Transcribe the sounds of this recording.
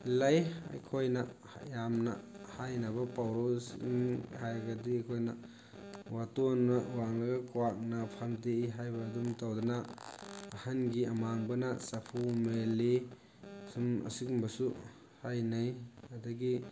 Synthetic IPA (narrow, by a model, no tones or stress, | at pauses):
laja̰jkʰojna̰ | jamnɐ̰hajnɐbɐpawɾosḭŋhajaɡɐdijkʰojnɐ | watonːɐwaŋlɐɡɐkʰwak̚napʰamdeiɦajbɐːdumtawdɐnaː | hanɡiɐmaŋbɐnasɐpʰumeli | sumɐ̰sikŋbɐsu | hajnajɐdɐɡi